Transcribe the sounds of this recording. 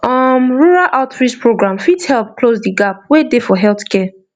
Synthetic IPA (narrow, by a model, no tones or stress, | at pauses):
ɔmɹuɹaʔaʊtɹispɹoɡɹãmfidhɛlˠp̚klozdiɡap̚wedefɔɦɛlθkʰɛ